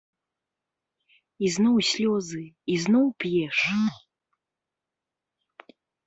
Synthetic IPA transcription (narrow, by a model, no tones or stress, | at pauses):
iznɔwsʲlʲɔzɨiznɔwpjɛʂ